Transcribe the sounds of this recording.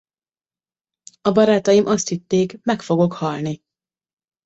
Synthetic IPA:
ɒbɒɾaːt̪ɒjimʔɒst̪hyt̪ːeːkmɛkfo̞ɡo̞khɒlni

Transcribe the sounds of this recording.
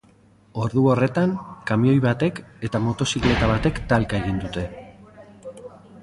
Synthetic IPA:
o̞ɾðuo̞re̞t̪aŋkamio̞jβat̪e̞ke̞t̪amo̞t̪o̞sikle̞t̪aβat̪e̞kt̪alkaeɣ̞ind̪ut̪e̞

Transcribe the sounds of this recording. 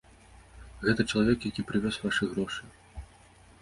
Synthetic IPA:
ɣɛt̪ɐt͡ʂɐlˠavʲɛkjakʲipɾɨvʲɔsvaʂɨɣɾɔʂɨ

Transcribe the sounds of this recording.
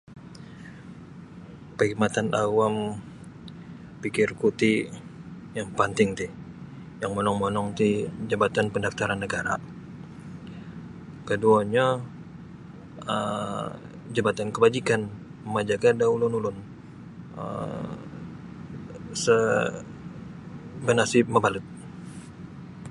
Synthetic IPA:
pəɦimat̪anawam | pikɪrkut̪i | jaŋpant̪ɪŋt̪ih | jaŋmɔnɔŋmɔnɔŋt̪id͡ʒabat̪anpəndaft̪aɾanːəɡaɾa̰ | kəduaɲa | ə | d͡ʒabat̪ankəbad͡ʒikanmad͡ʒaɡadaulʊnulʊn | ə̰ | sə | bənasɪp̚məbalut̪̚

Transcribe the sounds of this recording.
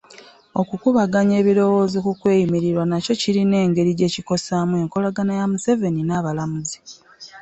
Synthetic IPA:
o̞kukuβaɡaɲe̞ːβiɾo̞wo̞ːzokukwe̞ːjimiɾiɾwanaco̞ciɾine̞ːŋɡe̞ɾiɟe̞ːciko̞saːmwe̞ːŋko̞laɡanajamuse̞ve̞ninaːβalamuzi

